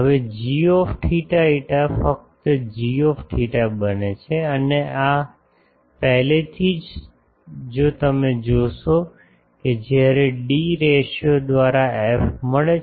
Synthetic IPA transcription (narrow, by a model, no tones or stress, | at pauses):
ɦəʋed͡ʒiɔfʈʰiʈaiʈafək̚t̪əd͡ʒiɔfʈʰiʈabənet͡ʃʰeəneʔa | pəɦlet̪ʰid͡ʒ | d͡ʒot̪əmed͡ʒoʃo | ked͡ʒjaɾeɖiɾeʃod̪ʋaɾaefməɭe